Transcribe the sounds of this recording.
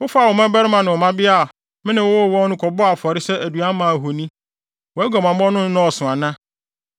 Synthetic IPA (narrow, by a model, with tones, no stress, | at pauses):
wʊ˦fa˨wɔ˨mã˦bɛ˦ɾɪ˦mã˨nɪ̃˨ɔ˨mã˦bɪ˦a˦˨ | mɪ̃˦nɪ̃˨wʊ˦ɔ˦˨wɔ̃˦nʊ̃˦kʰɔ˨bɔ˦a˨fɔ˨ɾɪ˦sɛ˦ʔæ˨du˨a˦mã˨ɦo˨nĩ˦ | wɔ˨æ˦ɡɔ˨mã˨mɔ̃˦nʊ̃˦n˦nʊ̃˦ɔ˨sʊ̃˨a˨nã˦